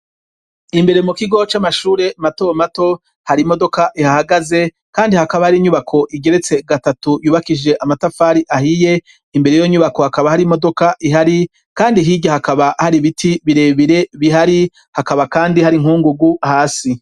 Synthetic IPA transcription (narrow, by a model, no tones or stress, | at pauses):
imbe̞ɾe̞mukiɡo̞t͡ʃamaʃuːɾe̞mato̞mato̞ | haɾimo̞do̞kaʔihahaɡaze̞ | kaːndihakaβahaɾiɲuβakʰo̞ʔiɡe̞ɾe̞t͡se̞ɡatatujuːβakid͡ʒe̞ʔamatafaːɾiʔahije̞ | imbe̞ɾe̞jo̞ɲuβako̞hakaβahaɾimo̞do̞kaʔiɦaɾi | kaːndiɦiɟʲahakaβahaɾiβitʰiβiɾe̞ːβiɾe̞βiɦaɾi | hakaβakaːndihaɾiŋ̥huːŋɡuɡuhaːsi